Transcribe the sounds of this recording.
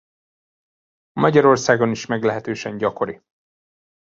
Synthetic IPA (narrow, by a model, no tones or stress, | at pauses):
ɒmɒɟɒɾo̞rsaːɡo̞niʃmɛɡlɛɦɛt̪øːʃɛɲɟɒko̞ɾi